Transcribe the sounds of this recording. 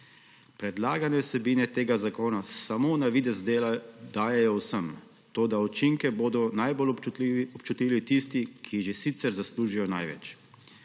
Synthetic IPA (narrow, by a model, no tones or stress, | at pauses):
pɾɛd̪laːɡanɛwsɛbiːnɛt̪eːɡazakoːnasamonaʋiːd̪ɛzd̪eːld̪aːjɛjɔwsəm | t̪oːd̪aut͡ʃiŋkɛboːd̪ɔnajbolɔpt͡ʃut̪iːʋit̪ist̪ikʰiʒesit̪sɛɾzasluːʒijɔna̰jʋɛ̰t͡ʃ